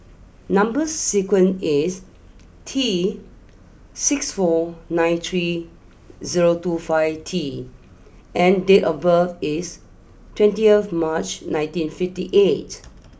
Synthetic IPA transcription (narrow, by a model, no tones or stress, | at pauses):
nãmbəsːikwə̃nis | tʰi | sɪksfɔnãɪ̃nt̪ʰɹi | ziɹotufaɪvtʰi | ʔɛ̃ndetɔvəvis | twɛ̃ntiəθmat͡ʃnãj̃ntĩnfiftiʔet